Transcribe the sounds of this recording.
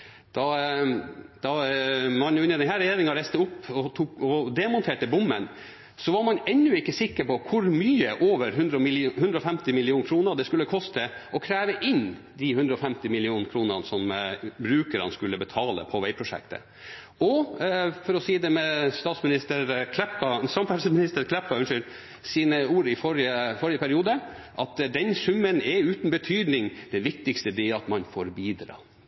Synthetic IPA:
d̪̥ɑ | d̪ɑmɑnjʊɪnːəd̪ɛnɦæːɾɛjeːɾɪŋɑɾæɪst̪əʊpːɔt̪ʰukɔd̪ɛmʊnt̪ʰeːʈəbʊmːən | sɔʋɑɾmɑnɛnːʉɪkːəsɪkːəɾpɔkʰʊɾmyːəʔoːʋəɾɦʉnd̪ɾɔɪhʉnd̪ɾəɔfɛmt̪ɪmɪlɪuːnkʰɾuːnəd̪ɛskʉlːəkʰɔst̪əʔɔkʰɾæːʋəʔɪn | d̪ɪhʉnd̪ɾəɔfɛmt̪ɪmɪlɪuːnkʰɾuːnənsɔmbɾʉːkəɾɑ̰nskʉlːəbət̪ʰɑːlə̰pʰɔʋæɪpʰɾʊʂɛ̰kt̪ə̰ | ɔfɔɾɔsiːd̪ɛmɛst̪ɑːt̪smɪnɪst̪əɾkʰlɛpːɑsɑmfæɾsəmɪnɪst̪əɾkʰlɛpːɑʉnʂʏl | siːnəuːɾɪfɔɾɪəfɔɾɪəpæɾɪuːd̪əʔɑt̪d̪ɛnsʉmːənɛʉːt̪n̩bət̪ʰyːd̪nɪŋd̪̥ɛnʋɪk̚t̪ɪkst̪əd̪ɛɛɑt̪mɑnfoɾbiːd̪ɾɑ̰ː

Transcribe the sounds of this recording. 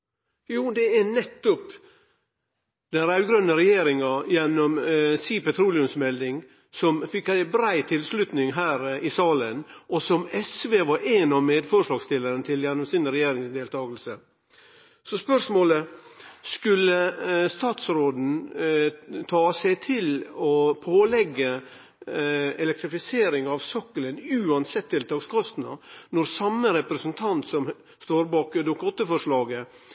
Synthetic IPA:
juːd̪ɛɛnɛt̪ːɔp | d̪ɛnɾæʉɡɾœnːəɾɛjeːɾɪŋɑjɛnːɔmsiːpɛt̪ʰɾuːlɪʉmsmɛld̪ɪŋ | sɔmfɪkːæɪbɾæɪt̪ʰɪlslʉt̪nɪŋɦæːɾɪsɑːlənʔɔsɔmɛsʋeːʋɑɾenɑʋmeːd̪fɔɾʂlɑːɡst̪ɪlːəɾənət̪ʰɪljɛnːɔmsɪnɾɛjeːɾɪŋsd̪eːlt̪ʰɑːɡəlsə | sɔspœʂmoːləskʉlːəst̪ɑːt̪sɾoːd̪n̩ | t̪ʰɑːsɛɪt̪ʰɪlɔpʰoːlɛɡːə | ɛlɛk̚t̪ɾɪfɪseːɾɪŋɑʋsœkːələnʉːɑnsɛt̪ʰːɪlt̪ʰɑːɡskʰɔst̪nɑ̰nɔɾsɑmːəɾɛpɾəsənt̪ʰɑnt̪sɔm | st̪oːɾbɑːkd̪ʊkɔt̪əfɔʂɭɑːɡə

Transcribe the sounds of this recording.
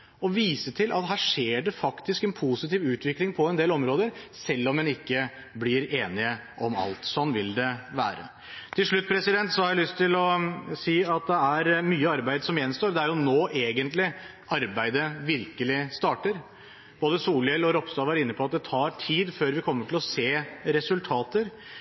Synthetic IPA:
ɔʋiːsət̪ʰɪlʔɑ̰t̪ɦæːʂeːɖɛfɑkt̪ɪskɛnpʰusɪt̪iːʋʉːt̪ʋɪklɪŋpʰɔɛnd̪eːlɔmɾoːd̪əɾsɛlːɔmːɛnɪkːə | blɪɾeːnɪə | ʔɔmɑ̰lt̪sɔnːʋɪld̪ɛʋæ̰ːɾə̰ | t̪ʰɪlʂɭʉt̪̚ːpʰɾɛsɪd̪ɛnt̪sɔhɑɾjæɪlʏst̪ʰːɪlɔsiːɑt̪̚d̪ɛæɾmyːəɑɾbæɪd̪sɔmjɛnːst̪oːɾd̪ɛæɾjʊnoːʔeːɡənt̪lɪ | ʔɑɾbæɪd̪əʋɪɾkəlɪst̪ɑːʈəɾ | b̥oːd̪əsuːljɛlɔɾɔpst̪ɑːʋæɾɪnːəpʰɔɑt̪̚d̪ɛt̪ʰɑːɾʈʰiːd̪føːɾʋɪkʰɔmːəʈʰɪlɔseːɾɛsʉlt̪ʰɑːt̪əɾ

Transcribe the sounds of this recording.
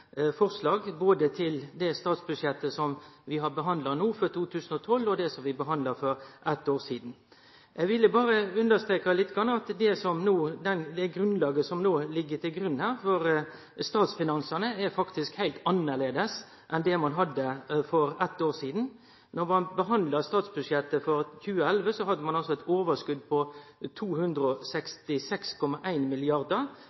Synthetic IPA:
fɔɾslɑːɡboːd̪ət̪ʰɪld̪ɛst̪ɑːt̪sbʉdʂjɛt̪ːəsɔmʋɪɦɑɾbəɦɑnd̪lɑnuːfɔɾt̪ʰuːt̪ʰʉːsən̩ɔt̪ʰɔlɔd̪ɛsɔmʋɪbəɦɑnd̪lɑɾfɔɾʔɛt̪ːoːɾsiːd̪n̩ | ʔɛʋɪlːəbɑːɾəʉnd̪əst̪ɾeːkɑlɪt̪ːɡɑnːɑt̪d̪ɛsɔmnoːd̪ɛnd̪ɛɡɾʉnlɑːɡəsɔmnoːlɪɡːət̪ʰɪlɡɾʉnːhæːɾfɔɾ | st̪ɑːt̪sfɪnɑnsənəæfɑkt̪ɪskhæɪlt̪ɑnːəʁleːd̪əs | ʔɛnd̪ɛmɑnɦɑd̪ːəfɔɾɛt̪ːoːɾsiːd̪n̩ | nɔɾmɑnbəɦɑnd̪lɑst̪ɑːt̪sbʉdʂjɛt̪ːəfɔɾçʉːəælʋəsɔɦɑd̪ːəmɑnɑlsɔɛt̪ʰoːʋəskʉd̪̚pʰɔt̪ʰuːhʉnd̪ɾəɔsɛkst̪ɪsɛkskʰɔmːɑʔæɪnmɪlɪɑɾd̪əɾ

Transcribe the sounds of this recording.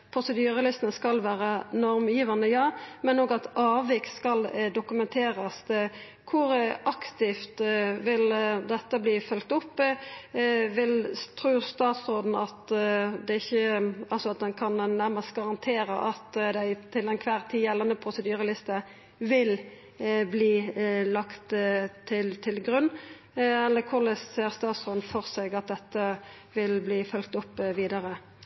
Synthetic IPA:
pʰɾʊsəd̪yːʁəlɪst̪ənəskɑlʋæːʁənɔɾmjiːʋɑnəjɑːmɛnoːɡɑt̪ɑːʋɪkt̪skɑld̪ʊkʉmɛnt̪ʰeːʁəs | kʰʊɾʔɑkt̪ɪft̪ʋɪld̪ɛt̪ːəbliːfœlk̚t̪ʊpː | ʋɪlt̪ʰɾʉːʁst̪ɑːt̪sʁoːd̪n̩ɑt̪d̪ɛɪçːəɑlsɔɑt̪̚d̪ɛnkʰɑnɛnːæʁməst̪̚ɡɑʁɑnt̪ʰeːɾəʔɑt̪d̪æɪt̪ʰɪlɛnkʰʋæːʁt̪ʰiːjɛlːɑnəpʰʁʊsəd̪yːʁəlɪst̪ə | ʋɪl | bliːlɑkt̪t̪ʰɪlt̪ʰɪlɡʁʉnː | ɛlːəkʰʊʁləsseːʁst̪ɑːt̪sɾoːd̪n̩fɔʁsɛɡɑt̪̚d̪ɛt̪ːə | ʋɪlbliːfœlk̚t̪ʊpːʋiːd̪əʁə

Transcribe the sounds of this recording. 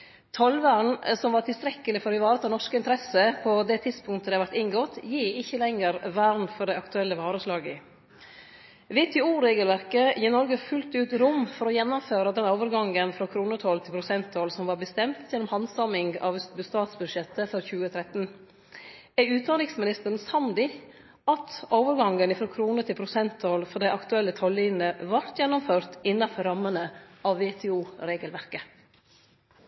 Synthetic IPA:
t̪ʰɔlʋæɳsɔmʋɑːʈ̪ʰɪlst̪ɾɛkːəlɪfɔɾɪʋɑːɾət̪ʰɑnɔʂkəɪnt̪əɾɛsəpʰɔd̪ɛt̪ʰɪd̪spʊŋt̪əɛɑʋæɾʈ̪ɪŋɡɔt̪jiːɪçːəlɛŋəɾʋæɾɳfɔɾɖæɪɑkt̪ʉɛlːəʋɑːɾəslɑːɡə | ʋɪt̪ʰːɪuːɾeːɡəlʋæɾkəjɪːnɔɾɡəfʉlt̪ʉːt̪ɾʊmfɔɾɔjɛnːʊmføːɾəd̪ɛnoːʋəɾɡɑŋənfɾɑkʰɾuːnət̪ʰɔlt̪ʰɪlpʰɾʊsɛnt̪ʰɔːlsɔmʋɑːɾbəst̪ɛmt̪jɛnːɔmhɑnsɑmɪŋɡɑʋbʉst̪ɑːt̪sbʉd̪ʃɛt̪ːəfɔɾçʉːət̪ʰɾɛt̪n̩ | æʉːt̪̚d̪ɑnɾɪŋsmɪnɪst̪əɾn̩sɑmd̪ɪ | ɑt̪oːʋəɾɡɑŋənɪfɾoːkʰɾuːnət̪ɪlpʰɾʊsɛnt̪ʰːoːlfɔd̪æɪʔɑkt̪ʉɛlːət̪ʰɔliːnnəʋɑɾt̪jɛnʊmføːɾt̪ɪnːɑfɔɾɑmːənəʔɑʋʋeːt̪ʰɛuːɾeːɡəlʋæɾkə

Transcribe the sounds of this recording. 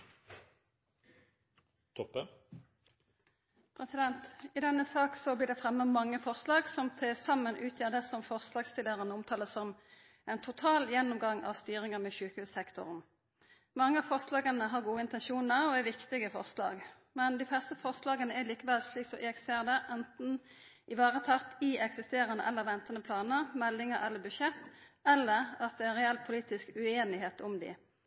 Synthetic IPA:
t̪ʰɔpːə | pʰʁɛsɪd̪ɛnt̪ɪd̪ɛnːəsɑːksɔbliːʁd̪ɛfʁɛmːəmɑŋːəfɔʁslɑːɡsɔmt̪ʰelsɑmːənʔʉːt̪ʰjæːʁd̪əsɔmfɔʁslɑːɡst̪ɪləʁənəɔmt̪ʰɑːləsɔm | ʔɛnt̪ʰʊt̪ʰɑːljɛnːɔmɡɑŋɑ̰ːʋst̪yːʁɪŋəmɛʃʉːkəhʉːssɛkt̪ʊ̰ʁn | mɑŋːəɑfɔʁslɑːɡənəɦɑʁɡuːəɪnt̪ɛnʃuːnəɾɔæɾʋɪkt̪ɪɡəfɔ̰ʁslɑ̰ːɡ | mɛnd̪ɪflɛʁst̪əfɔʁslɑːɡənəɛɾliːkəʋɛlsliːksɔʔeɡseːʁd̪ɛʔɛnt̪n̩ | ɪʋɑːʁət̪ʰɑt̪ɪɛksɪst̪eːɾənə̰ʔɛlːəɾʋɛnt̪ənəpʰlɑːnəʁmɛlːɪŋəʁɛlːəbʉʃɛt̪ːɛlːəʁɑt̪̚d̪ɛænʁɛɛlːpʰʊliːt̪ɪskʉeːnɪheːt̪ʰʊmd̪ɪ̰

